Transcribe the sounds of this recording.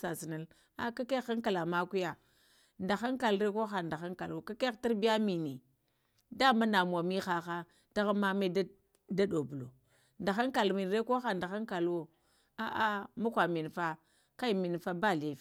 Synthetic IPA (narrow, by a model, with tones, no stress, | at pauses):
sa˨si˨na˨l | a˦ka˦ke˦xa˦ŋka˨la˨ma˦ku˦ja˨ | nda˨xa˦ŋka˨lɾe˦ko˦xa˨nda˨xa˦ŋka˨lwo˨ka˦ke˦xta˦ɾbi˦a˦mi˨ni˨ | da˦ma˦na˨m˨a˨mi˦xa˦xa˦ | d̥a˦ɣa˦ma˦me˦d | da˦do˨bu˨lo˨ | nda˨xa˦ŋka˨lmi˨n˨ɾe˦ko˦xa˨nda˨xa˦ŋka˨lwo˦ | a˦ʔa˦ma˦kʷa˨mi˨nfa˦ | ka˦i˨mi˨nfa˦ba˦˨li˨f